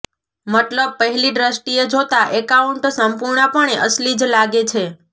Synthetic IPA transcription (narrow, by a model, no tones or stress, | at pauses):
mət̪ləb̚pəɦɛliɖɾəsʈied͡ʒot̪aʔekauɳʈsəmpuɾɳəpəɳ̃eʔəslid͡ʒlaɡet͡ʃʰe